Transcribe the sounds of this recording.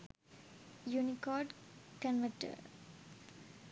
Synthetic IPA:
junikɔːɖkənʋəʈə̰ɾ

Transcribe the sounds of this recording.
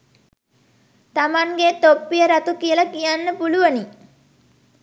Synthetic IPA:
t̪amaŋɡet̪opːijəɾat̪ukijəlakijanːəpuluʋəni

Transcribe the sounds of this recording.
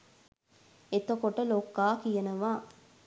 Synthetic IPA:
et̪əkoʈəloːkːaːkijenɐʋaː

